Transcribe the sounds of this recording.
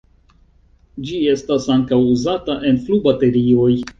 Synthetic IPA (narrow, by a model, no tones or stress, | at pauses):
d͡ʒie̞stasaŋkawuzataʔe̞nflubate̞ɾio̞j